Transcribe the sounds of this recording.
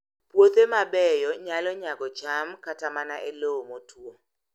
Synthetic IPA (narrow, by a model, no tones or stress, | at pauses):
pwot̪emabɛjɔɲalɔɲaɡɔt͡ʃamkatamanaʔelomotʰwo